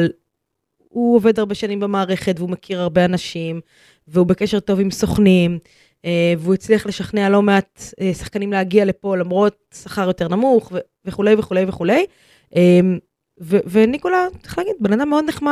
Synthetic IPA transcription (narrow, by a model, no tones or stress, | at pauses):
l | uove̞d̪haʁbeʃanimbemaːʁe̞χe̞tveumekʰiʁaʁbeanaʃim | veube̞keʃeʁto̞vimso̞χnim | eveuit͡sliaχle̞ʃaχnealo̞me̞atesḁχkanimleaɡiale̞po̞lamʁo̞t̚saχaʁjo̞te̞ʁnamuχve | veχule̞jveχule̞jveχule̞j | ʔem | vevenikolat͡se̥χlaːɡid̚bananameo̞d̪neχma